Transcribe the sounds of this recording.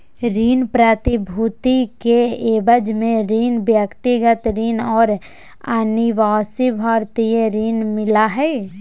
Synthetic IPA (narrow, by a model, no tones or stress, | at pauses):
ɾiːnpɾət̪ibʱut̪ikeeːbəd͡ʒmẽɾiːnbjəkt̪ɪɡət̪ɾiːnɔːɾ | aniʋaːsibʱaːɾt̪ieɾiːnmɪlaɦɛː